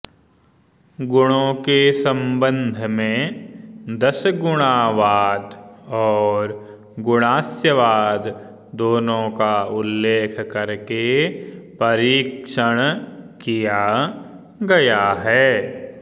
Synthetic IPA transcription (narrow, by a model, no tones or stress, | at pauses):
ɡʊɽ̃õkesə̃mbə̃nd̪ʱmẽ | d̪əsɡʊɽ̃aːʋaːd̪ɔːɾ | ɡʊɽ̃aːsjəʋaːd̪ | d̪oːnõkaʊlːeːkʰkɐɾkepɐɾiːkʃəɽ̃kija | ɡɐjaɦɛː